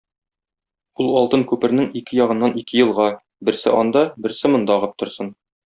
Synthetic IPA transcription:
ulˠɒlˠt̪ɤŋkʉpɘ̆ɾnɘŋikɘjɒʁɤ̆nːɑnikɘjɤ̆lˠʁɑ | bɘ̆ɾsɘ̰ʔɒnd̪ɑbɘ̆ɾsɘmɤ̆nd̪ɑʁɤp̚t̪ŏɾsɤn

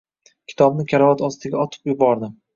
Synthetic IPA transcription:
kʲʰɪ̥t̪ʰɒbnɪkʲʰaɾɒvat̪ʰɒst̪ɪɡʲaɒt̪ʰɪ̥pjʊbɒɾd̪ɪm

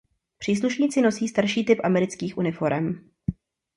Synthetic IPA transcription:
pr̥iːs̬luʃɲiːt͡sɪnosiːst̪aɾʃiːt̪ɪpʔamɛɾɪt͡skiːxʔunɪfo̞ɾɛm

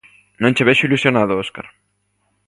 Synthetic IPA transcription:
nõnt͡ʃeβɛʃʊilusjonaðʊoska̰ɾ

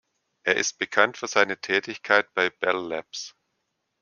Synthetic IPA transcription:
ʔeːɐʔɪ̰st̚b̥əkʰantfyːɐzaɪnətʰɛːtɪçkʰaɪt̚b̥aɪb̥ɛllɛps

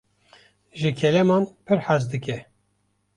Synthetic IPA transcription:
ʒɨkʰɛlɛmɑːnpʰɨɾħazd̪ɨkʲɛ

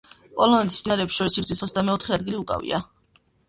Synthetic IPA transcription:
pʼɔlˠɔnɛt̪ʰi̥sd̪inaɾɛːpsʃɔɾisiɾʰisχɔsʰd̪amɛɔt̪ʰχɛad̪ɡiliukʼa̰vḭa

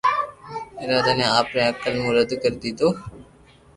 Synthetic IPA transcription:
ɪɾaːd̪aːnẽːaːpɾẽːəkəlmũːɾəd̪kəɾd̪iːt̪oː

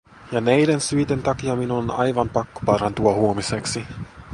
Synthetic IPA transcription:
jɑnæjdensyjt̪ent̪ɑkiɑminuonɑjʋɑmpɑkːopɑɾɑnt̪uɑhuomiseksi

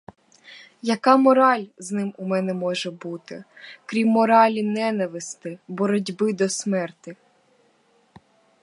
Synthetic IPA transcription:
jɐkɑmɔɾɑlʲznɪmumɛnɛmɔʒɛbut̪ɪ̰kɾʲimːɔɾɑlʲinɛnɐʋɪst̪ɪbɔɾɔdʲbɪd̪ɔsmɛrt̪ɪ

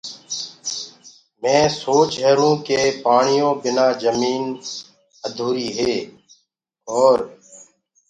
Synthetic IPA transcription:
mɛ̃ːsoːt͡ʃɦəɾũːkeːpaːɳ̃ɪjõːbɪnaːd͡ʒəmiːn | əd̪ʱuːɾiːɦeː | ɔːɾ

